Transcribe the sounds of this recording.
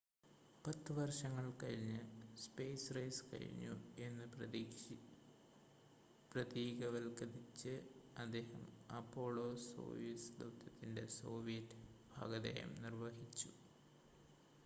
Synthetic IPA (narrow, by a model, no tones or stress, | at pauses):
pɐt̪ːɨʋɐrʂɐŋːɐɭkɐɻiɲːɨspeːsrɐjskɐ̰ɻḭɲːṵe̞nːɨ | prɐt̪iːɡɐʋɐlkɐðit͡ɕːɨɐd̪ːe̞ːhɐmɐpːo̞ːɭoːso̰ːʋijɐsd̪ɐ̰wt̪ːjɐt̪ːinde̞̰so̞̰ːʋijɐtːɨb̥ʱa̰ːɡɐðɐ̰jɐ̰mnirʋɐɦit͡ɕːu